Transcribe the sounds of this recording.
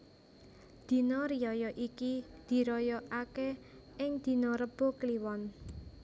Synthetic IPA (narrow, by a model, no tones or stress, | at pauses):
d̪̥i̤nɔɾijɔjɔʔikid̪̥i̤ɾɔjɔʔake | ʔɪŋd̪̥i̤nɔɾəb̥okliwɔn